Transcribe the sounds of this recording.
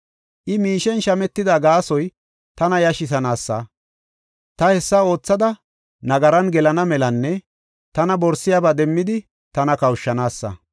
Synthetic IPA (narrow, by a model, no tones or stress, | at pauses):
ʔɪmiːʃɛnʃɐmɛt̪ːɪd̪aɡaːsɔj | t̪ɐnɐjɐʃɪs̬ɐnaːsːɐ̰ | t̪ɐhɛsːɐo̞ːt͡sːɐd̪ɐ | nɐɡɐɾɐnɡɛlɐnɐmɛlɐnːɛ | t̪ɐnɐbɔɾsɪjabad̪ɛmːɪd̪ɪ | t̪ɐnɐkɐwʃːɐnaːsːɐ̰